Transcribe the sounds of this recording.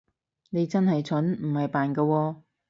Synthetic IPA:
ne˨˧jt͡sɐ˥nhɐ˨jt͡sʰɵ˨˥nm̩˨˩hɐ˨jpaː˨nkɐː˧wɔː˧

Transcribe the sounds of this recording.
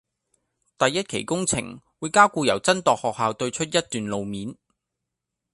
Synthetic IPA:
t̪ɐ˨jːɐ˥t̚kʰḛ˨˩jkʊ˥ŋt͡sʰɪ̰˨˩ŋwuː˨˧jkaː˥wkuː˧jɐ˨˩wt͡sɐ˥nt̪ɔː˨k̚hɔː˨k̚haː˨˧wt̪ɵ˧ɥt͡ʃʰɵ˥t̚jɐ˥t̚t̪yː˨˧nlo˨˧wmiː˨˥n

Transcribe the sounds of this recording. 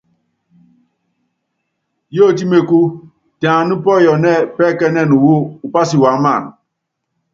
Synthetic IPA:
jo˦˨t̬i˦me˨ku˦ | ta˨a˨nu˦pɔ˦˨jɔ˨nɛ˦˨pɛ˦˨kɛ˦nɛ˦˨nu˨wu˦u˨pa˦si˨wa˨ŋ˦ma˦˨n

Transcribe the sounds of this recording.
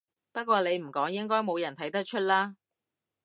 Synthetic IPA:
pɐ˥t̚kʷwɔː˧ne˨˧jm̩˨˩kɔː˨˥ŋjɪ˥ŋkɔː˥jmo˨˧wjɐ˨˩nt̪ʰɐ˨˥jt̪ɐ˥k̚t͡ʃʰɵ˥t̚laː˥

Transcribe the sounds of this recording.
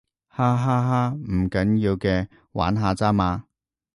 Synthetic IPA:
haː˥ɦaː˥ɦaː˥m̩˨˩kɐ˨˥njiː˧wkɛː˧ | wa̰ː˨˥nɦaː˧t͡saː˥maː˨˧

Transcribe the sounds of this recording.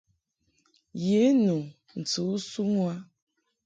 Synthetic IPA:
je˨˦nu˨ | n̩˨t͡su˨u˦su˦mwa˦

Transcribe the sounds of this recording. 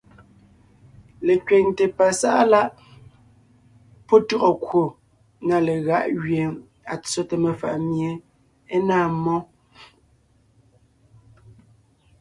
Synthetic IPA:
le˨kɥe˨ŋte˨pa˨sa˦ʔa˦la˦ʔ | pɔ˦tu˦˨ɣɔ˨kwo˨ | ŋa˨le˨ɣa˦ʔɣɥje˨ | a˨t͡so˦te˨me˨fa̰˨ʔmje˨ | e˦naː˦˨mɔ˦

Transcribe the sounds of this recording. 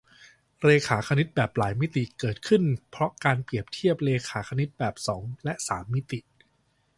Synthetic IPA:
ɾeː˧kʰaː˩˦kʰa˧ni˦˥t̪̚bɛː˨˩p̚laː˩˦jmi˦˥t̪i˨˩kɤː˨˩t̪̚kʰɯ˥˩npʰɾɔ˦˥kaː˧npli˨˩əp̚t̪ʰi˦˥˩əp̚leː˧kʰaː˩˦kʰa˧ni˦˥t̪̚bɛː˨˩p̚sɔː˩˦ŋlɛ˦˥ʔsaː˩˦mːi˦˥t̪i˨˩ʔ

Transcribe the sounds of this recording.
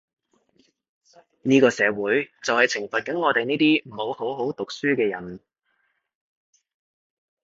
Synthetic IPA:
niː˥kɔː˧sɛː˨˧wuː˨˥jt͡sɐ˨whɐ˨jt͡sʰɪ˨˩ŋfɐ˨t̚kɐ˨˥nŋɔː˨˧t̪e˨jniː˥t̪iː˥m̩˨˩ho˨˧who˨˥wɦo˨˥wt̪ʊ˨k̚syː˥kɛː˧jɐ̰˨˩n

